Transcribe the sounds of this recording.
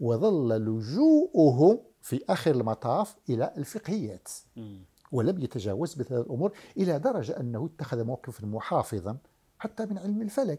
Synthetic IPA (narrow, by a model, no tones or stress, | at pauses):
wɑðˤɑlːlʊʒuːʔʊɦʊ | fiʔæxəɾəlmɑt̪ˤɑfʔəlæʔlfəqhəjːæt̪ | wələmjət̪æʒæ̰wəzməhæd̪əlʔʊmuːɾʔəlæd̪ɑɾˤɑʒaʔənːhʊjət̪ːaæxəðmawqəfəlmʊħɑfɨðˤɑ | ħat̪ːæmənʕəlməlfælæk